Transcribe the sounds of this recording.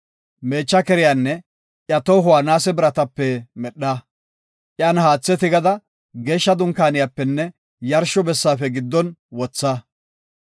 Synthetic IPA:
me̞ːt͡ʃːɐkɛɾɪjaːnːɛ | ʔjɐt̪ɔwɦʊwaːnaːsɛbɪɾɐt̪ɐpːɛmɛɗːa | ʔɪɐːnhaːt͡sːɛt̪ɪɡɐd̪ɐ | ɡe̞ːʃːɐd̪ʊŋkaːnɪjapːɛnːɛ | jɐɾʃɔbɛsːaːfɛɡɪd̪ːɔnwɔt͡sːa

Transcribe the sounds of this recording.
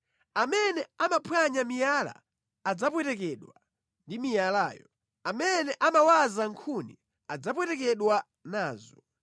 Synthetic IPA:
amɛnɛamapʰwaɲamijala̰ː | d͡zap̬wɛtɛk̬ɛɗwa | ndimijalaːjɔ | amɛnɛʔamawazaŋkʰunḭ | ad͡zap̬wɛtɛkɛɗwa | naːzɔ

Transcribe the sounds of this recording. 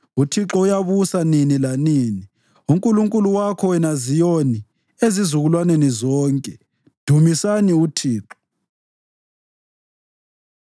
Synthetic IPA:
utʰiǁɔujaβusaninilanini | uŋkʼuluŋkʼuluwakʰɔwɛnazijoni | ezizuɣulwanenizɔːŋkʼɛ | d̥ʱumisaniutʰiːǁɔ̥

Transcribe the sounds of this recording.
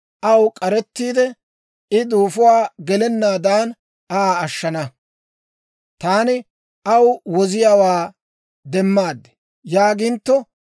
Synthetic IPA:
ʔɐwkʼɐɾɛt̪ːiːd̪ɛ | ɪd̪uːfʊwaːɡɛlɛnːaːd̪aːn | aːʃːɐnɐ | t̪aːnɪ | ʔɐwwɔzɪjaːwaː | d̪ɛmːaːd̪ːɛ̥ | jaːɡɪnt̪ːɔ

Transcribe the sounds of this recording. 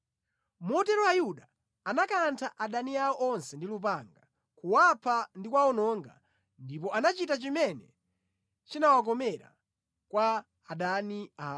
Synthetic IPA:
mɔtɛɾɔajuɗaː | nakantʰaʔaɗaniaɔʔɔnsɛndilup̬aŋɡa | kuwapʰandikwaɔnɔŋɡa̰ | ndipɔanat͡ʃitat͡ʃimɛnɛ | t͡ʃinawak̬ɔmɛɾa̰ | kwaː | ɗaniaː

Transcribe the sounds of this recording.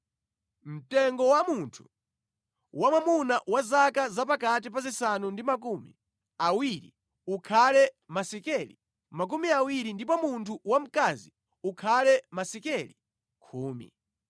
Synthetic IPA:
m̩tɛŋɡɔwamuntʰu̥ | wamamunawazakazapakat̬ipazisanundimak̬umḭ | awiɾḭ | ukʰalɛ | masɛkɛlḭ | mak̬umiawiɾindip̬ɔmuntʰuwam̩kazi | ukʰalɛmasɛkɛli | kʰuːmḭ

